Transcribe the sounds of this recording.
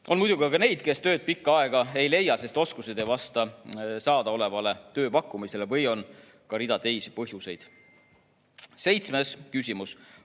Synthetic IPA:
o̞nmujd̪uɡiɑkɑne̞jd̪̥ke̞st̪ø̞ːd̪̚pikːɑɑeɡ̥ɑe̞jle̞jːɑse̞st̪o̞skused̪e̞jvɑst̪ɑsɑːd̪̥ɑo̞le̞vɑle̞t̪ø̞ːpɑkːˑumise̞le̞vɤjo̞n | kɑɾid̪̥ɑt̪e̞jsipɤɦjuse̞jd̪̥ | se̞jt̪sme̞skysʲimus

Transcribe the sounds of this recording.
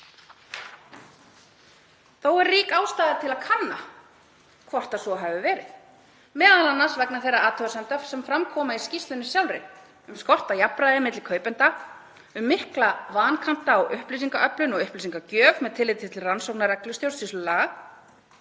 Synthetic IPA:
θowɛɾriːkaːwst̪aːðɪðat̪ʰɪlaðkʰanːa̰ | kʰvɔr̥t̪asɔɦavʏvɛːɾɪθ | mɛːðalanːasvɛknaθejrːaaːt̪ʰœɣsɛnt̪œfsɛmfɾamkʰɔːmaiscist̪lʏnɪsjawlɾɪ | ʏmskɔr̥t̪ajapɾajðɪmɪt̪lɪkʰœːɥpʏnt̪a | ʏmːɪhklavaːnkʰam̥t̪aɔɣʔʏhpliːsiŋkaʔœplʏnɔɣʏhplisiŋkacœːvmɛðt̪ʰɪlɪjt̪ʰɪ̥t̪ɪlransowknaɾɛklʏst̪jowst̪islʏlaɣa

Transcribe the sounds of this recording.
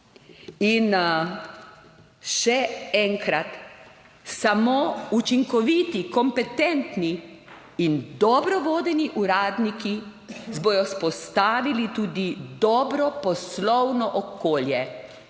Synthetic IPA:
in | ʃɛɛŋkɾat̪ | samoːut͡ʃiŋkɔʋiːt̪ikɔmpɛt̪ɛnt̪niː | nd̪ɔbɾɔʋoːd̪ɛniʔuɾaːd̪niki | zbɔjɔspɔst̪aːʋilit̪uːd̪id̪ɔːbɾɔpɔslɔwnɔʔɔkoːljɛ

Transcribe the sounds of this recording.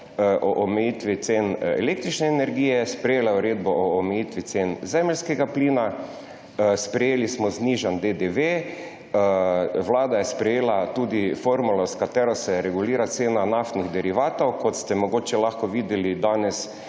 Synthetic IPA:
ʔɔʔɔmɛjit̪ʋit̪senɛ̰lekt̪ɾit͡ʃnɛːnɛɾɡiːjɛspɾɛjeːlauɾeːd̪bɔʔɔːmɛjiːt̪ʋit̪senzɛːmɛlʲskɛɡapliːna | spɾɛjeːlismɔzniʒand̪ed̪eʋe | ʋlaːd̪ajɛspɾɛjeːlat̪uːd̪ifoɾmulɔskat̪ɛːɾɔsɛɾɛɡuliːɾat̪seːnanaft̪niɣd̪ɛɾiʋaːt̪owkɔt̪st̪ɛmɔɡoːt͡ʃɛlaxkɔʋiːd̪jɛlid̪aːnɛs

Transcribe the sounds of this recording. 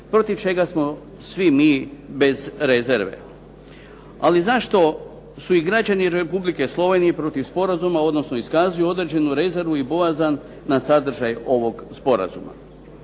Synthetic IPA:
pɾo̞t̪iʋt͡ʃe̞ɡasmo̞ | sʋimiːbe̞zɾe̞ze̞ɾʋe̞̰ | a̰lizaʃt̪o̞ | suiɡɾad͡ʑaniɾe̞publikeslˠo̞ʋe̞nije̞pɾo̞t̪iʋspo̞ɾazumao̞d̪no̞snoiskaːzioo̞d̪ɾed͡ʑe̞nuɾe̞ze̞ɾʋuibo̞azanː | asad̪ɾ̩ʒajo̞ʋo̞ɡspo̞ɾa̰zuma̰

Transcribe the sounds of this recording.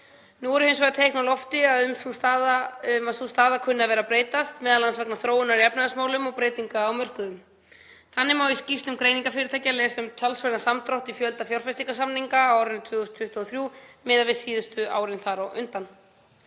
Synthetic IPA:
nuɣɔɾʏhejns̬vɔɣt̪ʰejknawlɔft̪ɪaʏmsusaʏmasust̪aːðakʰʏnːavɛːɾapɾeːjt̪ast̪mɛːðalansvɛknaθɾoːwɪnaɾiɛpnaðasmaːwlʏmɔɣpɾeːjt̪iŋkaawmœr̥kʏðʏm | θanːɪmawiscist̪lʏmkɾeːjniŋkafɪɾɪt̪ʰajcalɛːsʏmt̪ʰalsvaɾnasamt̪ɾawht̪ifjœlt̪afjawɾ̥fɛst̪iŋkas̬amniŋkawaːɾɪnɪt̪ʰvʏːɣɔst̪ʰʏht̪aːθɾjuːmɪːðavɪsiːðʏst̪ʏa̰ːwɾɪnθaɾawʔʏnt̪an

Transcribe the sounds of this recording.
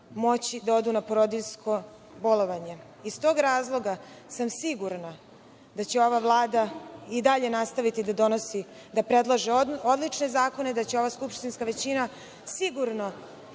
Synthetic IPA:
mo̞t͡ɕid̪ao̞d̪unapoɾod̪iʎskʰo̞ | bo̞lˠo̞ʋaɲe̞ | ist̪o̞ːɡɾaːzlˠo̞ɡasamsiɡuɾna | d̪at͡ɕe̞o̞ʋavlˠaːd̪aid̪aʎe̞nast̪aʋit̪id̪ad̪o̞no̞si | d̪apɾed̪lˠaʒeod̪lit͡ʃne̞zaːko̞ned̪at͡ɕeo̞ʋaskupʃt̪inskaʋe̞t͡ɕina | siɡuɾno̞

